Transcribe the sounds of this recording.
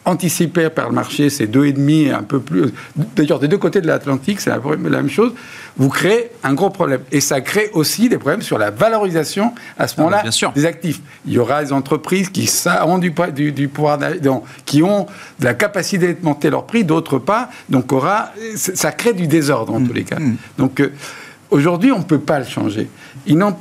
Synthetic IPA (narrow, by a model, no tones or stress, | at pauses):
ɑ̃t̪isipepa̰ʁləma̰ʁʃesɛd̪øed̪mieɛ̰̃pøplyd̪ajœʁd̪ed̪økot̪ed̪əlat̪lɑ̃t̪iksɛ̰la̰la̰mɛ̰mʃoz | vukχeːɛ̃ɡʁopχɔblɛmesakχeʔosid̪epχɔblɛmsyʁla̰valɔʁizasjɔ̃ | a̰səmɔmɑ̃laɛ̃syd̪ezak̚t̪if | iljɔʁad̪ezɑ̃t̪χəpχizkʲisaɔ̃d̪ypd̪yd̪ypuvwaʁd̪a̰d̪ɔ̃ | kʲiɔ̃ | d̪əlakapasit̪ed̪əmɑ̃t̪elœ̰ʁpχid̪ot̪χəpa | d̪ɔ̃kɔʁasɛsakχed̪yd̪ezɔʁd̪ʁɑ̃t̪ulḛka̰d̪̥ɔ̃k | oʒuʁd̪ɥiɔ̃pøpaləʃɑ̰̃ʒḛ | ilnɑ̃